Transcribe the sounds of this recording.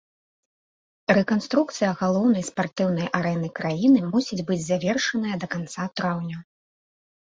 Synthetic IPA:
ɾɛkanst̪ɾuk̚t̪sɨjɐɣalˠɔwn̪ɐjspart̪ɨwn̪ɐjʔaɾɛnɨkɾajinɨmusʲid͡zʲbɨd͡zʲzavʲɛrʂɐnɐjɐd̪ɐkant̪sat̪ɾawnʲɐ

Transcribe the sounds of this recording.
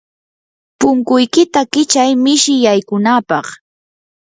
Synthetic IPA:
pʊŋkʊjkɪt̪akɪt͡ʃajmɪʃɪjajkʊnapɑχ

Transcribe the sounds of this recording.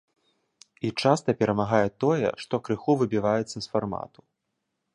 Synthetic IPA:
it͡ʂast̪ɐpʲɛɾɐmaɣajɛt̪ɔjɛ̰ʂt̪ɔkɾɨxuvɨbʲivajɛt̪sːɐsfarma̰t̪u̥

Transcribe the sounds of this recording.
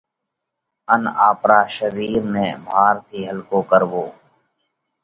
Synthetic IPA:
ənaːpɾaːʃəɾiːɾnẽːbʱaːɾt̪ʰiːɦəlkoːkəɾʋoː

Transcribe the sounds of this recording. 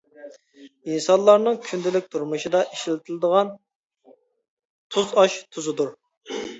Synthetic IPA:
insɑnlˠɑɾnɨŋkʲʰynd̪ɪlɪk̚ʲt̪ʰuɾmuʃid̪ɑʔiʃlɪt̪ʰɪlɪd̪əʁɑn | t̪ʰuzɑʃt̪ʰuzɨd̪uɾ

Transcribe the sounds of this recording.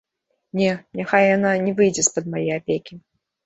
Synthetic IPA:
nʲɛnʲaxajjananʲɛvɨjd͡zʲɛspɐd̪̚majɛjapʲekʲi

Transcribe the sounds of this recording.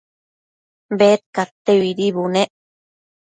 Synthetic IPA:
bet̪̚kat̪ːeβiɾiβuneʔ

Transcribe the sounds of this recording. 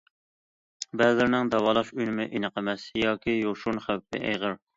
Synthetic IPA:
bɛzlɪɾnɪŋd̪ɑwɑːlˠɑʃyjnɪmɪʔinɨqʰəmɛsjɑːkʲʰijoʃunχæwpʰːɪ̰ʔɛ̰jʁəɾ

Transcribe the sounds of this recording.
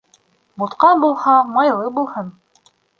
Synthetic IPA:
bŭt̪qɑnbulˠhɑmɑjlˠɤbulˠhɤn

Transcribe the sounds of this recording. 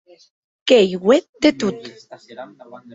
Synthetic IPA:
kejɡwet̪̚d̪et̪ut̪

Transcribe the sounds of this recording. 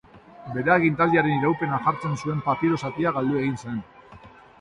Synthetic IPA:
be̞ɾeaɣint̪̬ald̪iaɾe̞niɾawpe̞naʝaɾt͡se̞nsue̞mpat̪iɾo̞sat̪iaɣald̪ue̞ɣinsen

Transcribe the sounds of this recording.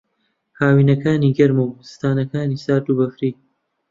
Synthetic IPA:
haːwiːnɐkaːniːɡɐɾmɐwsɨ̥t̪aːnɐkaːniːsaːɾt̪uːbɐfɾiː

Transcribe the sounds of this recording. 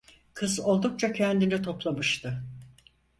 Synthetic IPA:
kʰɯzo̞lˠd̪uk̚t͡ʃʰacʰɛnd̪init̪ʰo̞plˠamɯʃt̪ʰɯ

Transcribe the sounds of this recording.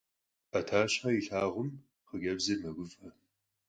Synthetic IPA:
ɐtʰaːɕħɐjɪɬaːʁʷʊm | χəɡɐbzɨmɐɡʷʊfʼɐ

